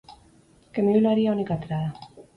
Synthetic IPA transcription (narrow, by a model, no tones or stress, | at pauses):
kemeuloaɾiaunikat̪ɾaða